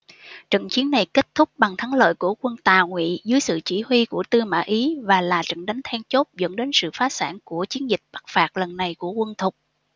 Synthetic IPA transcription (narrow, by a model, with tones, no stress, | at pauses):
t͡ɕə̰˧˨nt͡ɕi˨˦ənːa˨˩jke˦˥t̚t̪ʰʊ˦˥k͡p̚ɓa˨˩ŋt̪ʰa˨˦ŋlə̰ː˧˨jku˧˩əkwə˧nt̪aː˨˩wŋwḭ˧˨zɨ˨˦jsɨ̰˧˨t͡ɕi˧˩hwi˧ku˧˩ət̪ɨ˧ma̰ː˧˩ʔi˨˦vaː˨˩laː˨˩t͡ɕə̰˧˨ŋɗa˨˦ŋ̟t̪ʰɛ˧ŋt͡ɕo˦˥t̚zə̰˧˥nɗe˨˦nsɨ̰˧˨faː˨˦sa̰ː˧˩nku˧˩ət͡ɕi˨˦ənzï˨˩k̟̚ɓa˦˥k̚faː˨˩k̚lə˨˩nːa˨˩jku˧˩əkwə˧nt̪ʰʊ˨˩k͡p̚